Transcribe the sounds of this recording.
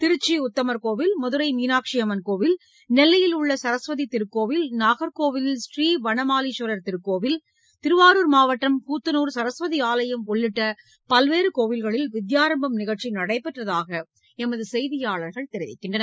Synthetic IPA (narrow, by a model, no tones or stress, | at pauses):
t̪ɪɾɯt͡ʃːiʊt̪ːɐmɐɾkoːʋɪlmʊðɯɾɐɪmiːnaːkʂɪjɐmɐnkoːʋɪl | nɛlːɐjɪlʊɭːɐsɐɾɐsʋɐðit̪ɪɾɯkːoːʋɪlnaːɣɐɾkoːʋɪlɪlsriːʋɐɳɐmaːliʂɐɾɐɾt̪ɪɾɯkːoːʋɪl | t̪ɪɾɯʋaːɾuːɾmaːʋɐʈːɐmkuːt̪ːɐnuːɾsɐɾɐsʋɐðiaːlɐjɐmɔɭːɪʈːɐ | pɐlʋeːɾɯkoːʋɪlɣɐɭɪlʋɪd̪jaːɾɐmbɐmnɪɣɐʈt͡ʃːinɐɽɐɪpːɛʈrɐðaːɣɐ | ɛmɐðɯsɛjðɪjaːɭɐɾɣɐɭt̪ɛɾɪʋɪ̰kːɪɳɖrɐnɐ